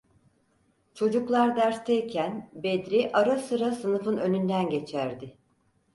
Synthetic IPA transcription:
t͡ʃʰo̞d͡ʒuklˠaɾd̪æɾst̪ʰejcʰænbed̪ɾiʔaɾasɯɾasɯnɯfɯnønynd̪ænɟe̞t͡ʃʰæɾd̪ɪ

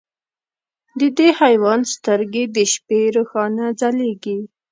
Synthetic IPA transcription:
d̪əd̪ehajwɑnst̪əɾɡed̪əʃpeɾəxɑnad͡zaleɡi

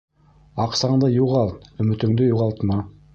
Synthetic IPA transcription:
ɑqsɑɴd̪ɤjuʁɑlˠt̪ɵ̆mɵ̆t̪ɵ̆ŋd̪ɘjuʁɑlˠt̪mɑ

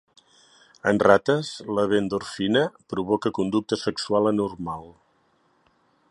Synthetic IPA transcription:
ənrat̪əzləβ̞end̪urfinəpɾuβɔkəkund̪uk̚t̪əsəksualˠənurmalˠ

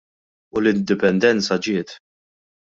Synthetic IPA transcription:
ʊlɪnd̪ɪpɛnd̪ɛnt͡sɐd͡ʒɪːt̪

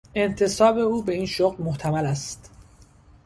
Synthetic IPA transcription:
e̞nt̪ʰe̞sɒːbe̞uːbe̞iːnʃoɣlmoht̪ʰæmælæst̪

